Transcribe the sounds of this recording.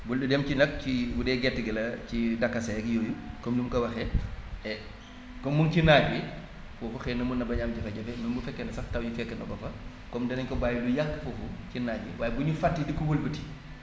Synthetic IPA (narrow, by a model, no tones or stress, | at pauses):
bulɗudɛmcinɐk̚cibudɛɡɛtːiɡɐlɐcidɐkːɐsɐɛkjoːjukɔmdumkɐwɐxɛɛ | kɔmːuŋcinaːɟwi | fofuxɛnɐmunːɐbɐɲaːmd͡ʒɐfɐɟɐfɛmɐnbufɛkːɛnɐsɐftɐwjifɛkːɛnɐbɐfɐ | kɔmdɐnɐɲkɔbaːjulujakːfofucinaːɟwḭwaːjɛbuɲufatːidikuwulbəti̥